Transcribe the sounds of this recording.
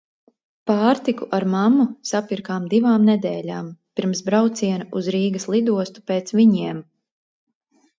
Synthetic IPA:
paːɾt̪ikuʔaɾmamːusapiɾkaːmd̪ivaːmnɛd̪ɛːlʲaːmpiɾmsbɾawt̪siɛnaʔuzɾiːɡɐslˠid̪uɔst̪u̥peːt̪sviɲiɛm

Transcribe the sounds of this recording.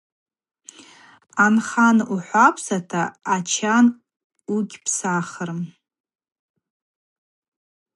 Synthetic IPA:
anχanuħʷapʰsatʰaːt͡ʃʰan | uɡʲpʰsaχərm

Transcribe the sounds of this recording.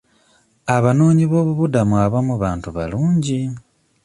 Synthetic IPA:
aβanoːɲiβo̞ːβuβudamuaβamuβaːntuβa̰luːɲɟi

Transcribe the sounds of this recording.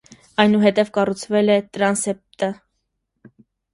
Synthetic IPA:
ɑjnuɦɛt̪ɛvkɑrut͡sʰvɛlɛt̪ɾɑnsɛp̚t̪ə

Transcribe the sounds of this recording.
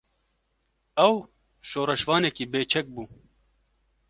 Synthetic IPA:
ɛw | ʃoːɾɛʃvɑːnɛkiːbeːt͡ʃʰɛk̚buː

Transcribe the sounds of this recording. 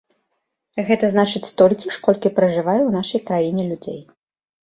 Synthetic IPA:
ɣɛt̪ɐznat͡ʂɨt͡sʲst̪ɔlʲkʲiʂkɔlʲkʲipɾɐʐɨvajɛwnaʂɐjkɾajinʲɛlʲud͡zʲḛj

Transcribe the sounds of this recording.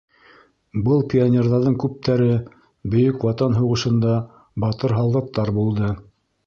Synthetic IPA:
bɤlˠpʲionʲerðɑɾðɤŋkʉp̚t̪ʰæɾɘ | bɵ̆jɵkwɑt̪ɑnɦuʁɤ̆ʃɤ̆nd̪ɑ | bɑt̪ɤɾɦɑlˠʁɤ̆t̪ːɑɾbulˠd̪ɤ

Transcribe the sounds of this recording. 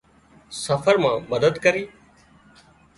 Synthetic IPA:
səfəɾmãːməd̪əd̪kəɾiː

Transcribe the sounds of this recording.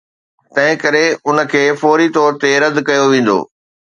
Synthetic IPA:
t̪ɐ̃ɦɪ̃kɐɾeʊnə̆kʰeːfɔːɾit̪ɔːɾt̪eɾɐd̪kɐjoʋẽːn̆d̪o̰ː

